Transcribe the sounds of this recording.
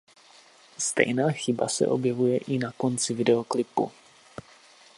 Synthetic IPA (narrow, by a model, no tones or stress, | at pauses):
st̪ɛ̰jnaːxɪba̰sɛ̰ʔo̞̰bjɛvujɛʔɪnako̞nt͡sɪvɪdɛo̞klɪpṵ